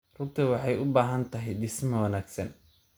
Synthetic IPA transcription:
rʊmt̪ʰɐwɑħɑjʊbaːɦɐnt̪ʰɐɦɛjdɪsmɐwɑnaːɡsɐn

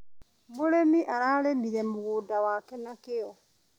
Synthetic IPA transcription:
moɾemiʔaɾaːlemiɾɛmoɣodawaːkɛnakeɔ

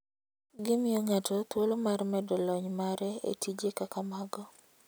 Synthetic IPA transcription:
ɡɪmɪjoŋatot̪wolomarmɛdɔlɔɲmaɾɛḛtid͡ʒekakamaɡɔ

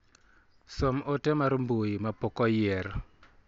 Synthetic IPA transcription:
somotɛmaɾmbojimapokɔjɛɾ

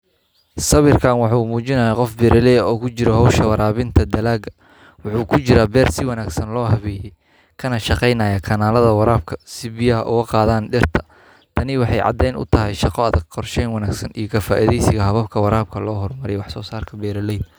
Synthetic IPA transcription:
sɐβɪrkʰaːnwɑħuːmuːt͡ʃɪnɐːjaqɔfbɛːɾʔɐlɛjɔːkʰʊt͡ʃɪɾɔɦɔwʃɐwɐɾaːβɪnt̪ʰɐd̪ɐlaːɡɐ | wʊħuːkʰʊt͡ʃɪɾabɛːrsɪwɑnaːɡsɐnlɔːɦɐβɛːjɛj | kʰɐnɐʃɑqɛjnɐːjɐkʰɐnaːlɐðɐwɑɾaːb̚kʰɐsɪbɪjɐɦɐʔʊɣɐqɑːðaːnɖɪrt̪ʰɐ | t̪ʰɐnɪwɑħɑjʕɑ̰d̪ɛjnʊ̰t̪ʰɐɦɛjʃɑqɔɐðɐɡqʰɔrʃɛjnwɑnaːɡsɐnijɔkʰɐfaːʔiðɛjsɪɣɐɦɐβɐbkʰɐwɑɾaːb̚kʰɐlɔːɦɔrmɐɾɛjwɑħsɔːsaːrkʰɐbɛːɾɐlɛj

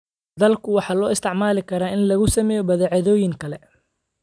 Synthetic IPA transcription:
d̪ɐlkʰʊwɑħɑːlɔːɪst̪ʰɪʕmaːlɪkʰɐɾaːʔɪnlɐɣʊsɐmɛːjɔbɐðɛʕɑðɔːjɪŋkʰɐlɛ

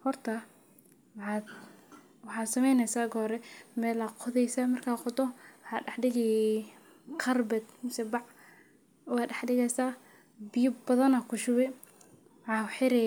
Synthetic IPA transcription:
hɔrt̪ʰɐ | wħɑd̪ | wɑħɑːd̪sɐmɛjnɛsaːɡɔːɾɛmɛːlɐqʰɔðɛjsamɐrkʰaːqɔt̪ʰɔwɑħɑːɖɛħɖɪɣɛjɛ | kʰɐrbɛt̪mɪsɛbɑʕ | wɑːɖɛħɖɪɣɛsaː | bɪjʊbɐðɐnɐkʰʊʃʊwɛ | wħɑːħɪɾɛ

